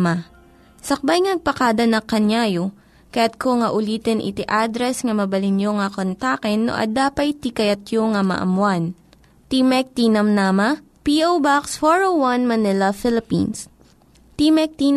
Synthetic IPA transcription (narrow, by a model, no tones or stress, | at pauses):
ma | sɐk̚bajŋnɐɡ̚pɐkaːd̪ɐnɐkɐɲjaːjo | kɐjat̪̚koŋɐʔʊliːt̪ɛnʔɪ̰t̪iʔad̪ɾɛsŋɐmɐbɐlɪnjoŋɐkont̪akɛnːo̰ʔɐ̰d̪aːpɐjt̪ikɐjɐt̪joŋɐmɐ̰ʔɐ̰mwan | t̪imɛk̚t̪iːnɐmnaːmɐ | piʔowbaksfoɹowɐnmɐnɪlɐfɪlɪpḭns | t̪imɛk̚t̪in